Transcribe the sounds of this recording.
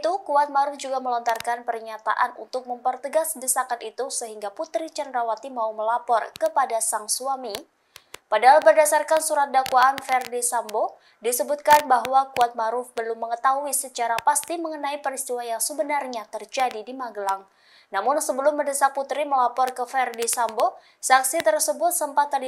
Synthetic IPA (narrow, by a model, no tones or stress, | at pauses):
t̪ukuwat̪̚maɾʊfd͡ʒuɡaməlɔnt̪arkanpərɲat̪a̰ʔanṵnt̪ʊk̚məmpərt̪əɡasdəsakat̪it̪usəɦiŋɡaput̪ɾit͡ʃəndɾawat̪imauməlapɔrkəpadasaŋsuami | padaɦalbərdasarkansuɾat̪̚dakwaʔːnfɛrdisambo | disəbʊt̪̚kanbaɦwakuat̪̚maɾʊfbəlʊmːəŋət̪aɦuisət͡ʃaɾapast̪iməŋənaipəɾist̪iwajaŋsəbənarɲat̪ərd͡ʒadidimaɡəlaŋ | namʊnsəbəlʊmːədəsak̚put̪ɾiməlapɔrkəfɛrdisambo | saksit̪ərsəbʊt̪̚səmpat̪ːad